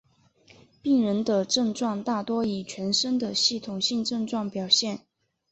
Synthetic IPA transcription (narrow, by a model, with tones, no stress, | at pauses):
pi˥˩ŋɻə˧˥nd̪ə˧ʈ͡ʂɤ˥˧ŋʈ͡ʂwɑ˥˧ŋt̪a˥˩t̪wɔ˥i˨˩t͡ɕʰɥɛ˧˥nʂə˥ŋd̪ə˨ɕi˥˩t̪ʰʊ˨˩ŋɕi˥˧ŋʈ͡ʂɤ˥˧ŋʈ͡ʂwɑ˥˩ŋpjɑ˨˩ʊɕjɛ˥˩n